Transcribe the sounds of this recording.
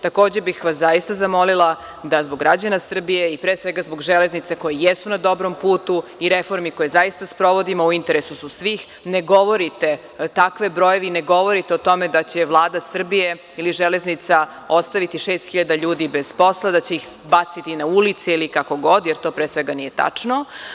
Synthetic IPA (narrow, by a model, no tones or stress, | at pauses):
t̪ako̞ːd͡ʑebixʋaszaist̪azamo̞lilˠa | d̪azbo̞ɡɾad͡ʑanasr̩bije̞ipɾeːsʋeɡazbo̞ɡʒele̞znit̪ako̞jijesunad̪o̞bɾo̞mpuːt̪uiɾefo̞ɾmiko̞jezajist̪aspɾo̞ʋo̞d̪imouint̪e̞ɾesususʋiːx | neɡo̞ʋo̞ɾit̪e̞ | t̪akʋebɾojeʋineɡo̞ʋo̞ɾit̪eot̪o̞me̞d̪at͡ɕe̞ʋlˠaːd̪asr̩bije | iliʒele̞znit̪sa | ost̪aʋit̪iʃe̞ːst̪xiʎad̪aʎuːd̪ibez̥po̞slˠad̪at͡ɕe̞ix | bat̪sit̪inaulit̪seilikako̞ɡo̞d̪jeɾt̪o̞ːpɾeːsʋeɡanijet̪a̰t͡ʂno